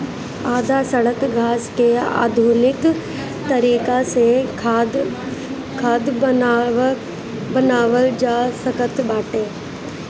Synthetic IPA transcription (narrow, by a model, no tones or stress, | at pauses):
aːd̪ʱasɐɽəkɡʱaːskea̰ːd̪ʱuːnɪk | t̪ɐɾiːkase | kʰaːd̪ | bɐnaːʋəld͡ʒaːsɐkət̪baːʈeː